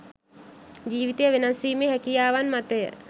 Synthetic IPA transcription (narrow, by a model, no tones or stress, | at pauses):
d͡ʒiːʋit̪ejəʋenasiːmeɦɛkijaːʋanmat̪əjə̰